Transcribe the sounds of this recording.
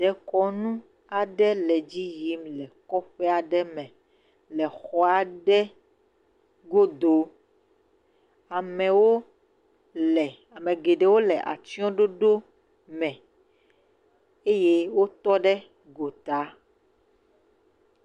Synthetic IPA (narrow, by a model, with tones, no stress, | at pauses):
ɖɛ˨kɔ˦nũ˦ | a˨ɖɛ˦lɛ˨d͡ʑi˦ji˦mlɛ˨kɔ˦ɸɛ˦a˨ɖɛ˦mɛ̃˨ | lɛ˨xɔ˦a˨ɖɛ˦ | ɡo˦d̪o˨ | a˨mɛ̃˨wo˦ | lɛ˨ | a˨mɛ̃˨ɡe˨ɖɛ˨˦wo˦lɛ˨ʔa̰˨t̪i˦ɔ̃˦ɖo˦ɖo˦ | mɛ̃˨ | e˦je˦wo˦t̪ɔ˦ɖɛ˦ | ɡo˨t̪a˦